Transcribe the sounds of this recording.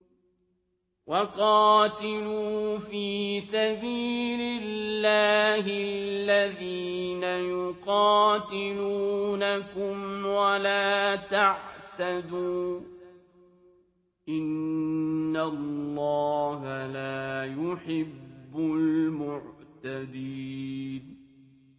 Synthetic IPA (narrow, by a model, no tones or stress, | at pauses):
wɑqɑːt̪ɪluːfiːsabiːlɪlːaːɦɪlːaðiːnajʊqɑːt̪ɪluːnakʊmwalaːt̪aʕt̪ad̪uː | ʔɪnː | alːɑːɦalaːjʊħɪbːʊlmʊʕt̪ad̪iːn